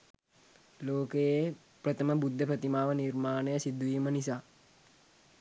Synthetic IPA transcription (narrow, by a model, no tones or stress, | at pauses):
loːkeje | pɾət̪ʰəməbud̪ʱːəpɾət̪imaːʋəniɾmaːnejəsid̪ːuʋiːmənisaː